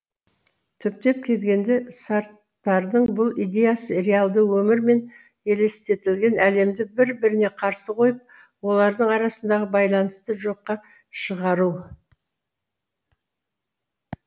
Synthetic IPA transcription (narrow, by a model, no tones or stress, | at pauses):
t̪ʰʏp̚t̪e̞p̚kʲʰe̞lɡʲe̞nd̪e̞sɑɾt̪ːɑɾd̪əɴbʊlˠijd̪ʲe̞jasəɾealˠd̪əwɵmɪɾme̞n | e̞le̞st̪e̞t̪ɪlɡʲe̞nʔæle̞md̪ɪbɪɾbɪɾɪne̞qʰɑɾsəqʰo̞jəp̚ | wo̞lˠɑɾd̪əɴɑɾɑsənd̪ɑʁəbɑjlˠɑnəst̪əʒo̞qːɑ | ʃəʁɑɾu